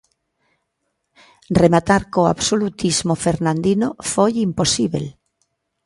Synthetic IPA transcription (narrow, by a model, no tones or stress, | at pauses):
remat̪aɾkoa̰βsolut̪izmofeɾnãnd̪inofojimposiβḛl